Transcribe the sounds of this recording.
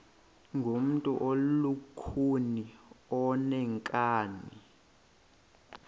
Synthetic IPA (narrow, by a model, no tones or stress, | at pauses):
ŋɡʱom̩tʼuʔolukʰuniɔnɛŋkʼaːni